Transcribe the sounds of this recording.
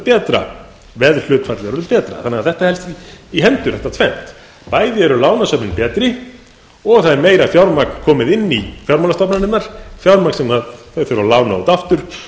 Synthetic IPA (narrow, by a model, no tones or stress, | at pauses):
pɛːt̪ɾa̰ | vɛðl̥ʏːt̪fat̪lɪaɾɔɾɪðpɛːt̪ɾa̰θanːɛɣaðθɛht̪ahɛlst̪iɦɛnt̪ʏɾ̥θɛht̪at̪ʰvɛn̥t̪ | paːjðɪɛɾʏlaːwnasœpnɪnpɛːt̪ɾɪ | ɔɣθaðɛɾmeːjɾafjawɾmakkʰːɔːmɪðɪnːifjawɾmawlast̪ɔpnanːɪnːaɾ̥fjawɾmaksɛmaðθaθœɾalaːwnaɔt̪aft̪ʏɾ̥